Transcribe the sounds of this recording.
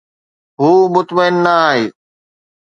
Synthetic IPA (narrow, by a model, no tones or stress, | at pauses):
ɦuːmʊt̪məɪnːaaːɦeː